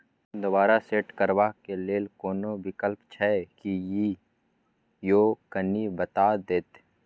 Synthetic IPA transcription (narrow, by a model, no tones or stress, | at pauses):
d̪obaːɾaseːʈkəɾwakeleːlkoːnobɪkəlpt͡ʃʰɛkiji | joːkənːibət̪aːd̪eːt̪